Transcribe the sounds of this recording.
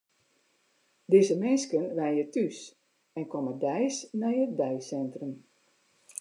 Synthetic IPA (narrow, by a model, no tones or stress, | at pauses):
dizəmɪnskənʋɛjnjətys | ɛnkɔmədɛjsnɛjədɛjsɛntrəm